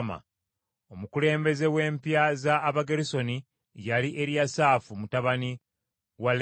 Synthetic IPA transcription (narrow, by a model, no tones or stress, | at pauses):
ma̰ | o̞mukule̞ːmbe̞ze̞we̞ːmpjazaːβaɡeɾiso̞ni | jaliʔe̞ɾjasaːfumutaβani | wal